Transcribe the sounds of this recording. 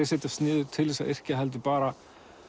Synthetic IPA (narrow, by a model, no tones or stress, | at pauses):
ɪsejt̪ḁst̪nɪːðʏt̪ʰɪlːvɛsaʔɛr̥cɪaɦɛlt̪̬ʏpaːɾa